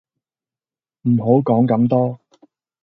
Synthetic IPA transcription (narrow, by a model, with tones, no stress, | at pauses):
m̩˨˩ɦo˨˥wkɔː˨˥ŋkɐ˨˥mt̪ɔː˥